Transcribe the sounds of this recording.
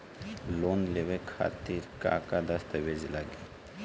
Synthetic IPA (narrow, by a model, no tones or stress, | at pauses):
loːnlewekʰa̰ːt̪iɾka̰ːkad̪ɐst̪ɐwezilaɡi